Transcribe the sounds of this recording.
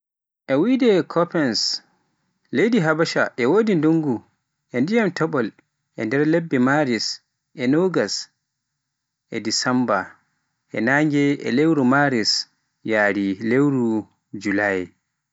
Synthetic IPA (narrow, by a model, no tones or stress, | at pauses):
ʔɛwidɛkʰɔpɛns | lejdiɦabaʃa̰ʔɛwoːdinduŋɡu | ʔɛndijamtɔɓɔl | ʔɛ̰ndɛɾlebːɛmaɾis | ʔɛnoɡas | ʔɛdisamba | ʔɛ̰naŋɡɛɛ̰lewɾumaɾis | jaːɾilewɾu | d͡ʒulaj